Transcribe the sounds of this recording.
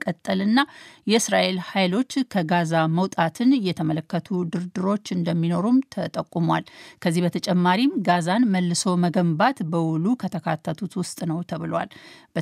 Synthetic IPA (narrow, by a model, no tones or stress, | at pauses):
kʼət̪ʼːəlɨnːajɛɨsɾaʔe̞lhajlo̞t͡ʃːkʰəɡazaməwt̪ʼat̪ʰɨnjɛt̪ʰəmələkːət̪ʰud̪ɨɾd̪ɨɾo̞t͡ʃːɨnd̪əmːino̞ɾumt̪ʰət̪ʼəkʼːumwalkʰəzːihbət̪ʰət͡ʃʼɛmːaɾimɡazanməlːɨso̞məɡəmbat̪bəwʊlukʰət̪ʰəkʰat̪ʰːət̪ʰut̪wʊst̪ʼnəwt̪ʰəβɨlwa̰lb̥ə